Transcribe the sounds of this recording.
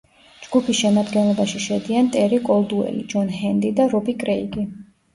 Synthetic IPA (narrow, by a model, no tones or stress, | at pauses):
d͡ʒɡupʰisʃɛmad̪ɡɛnlˠɔbaʃiʃɛd̪iant̪ʼɛɾikʼɔlˠd̪uɛ̰lḭd͡ʒɔnhɛnd̪id̪aɾɔbikʼɾɛiɡi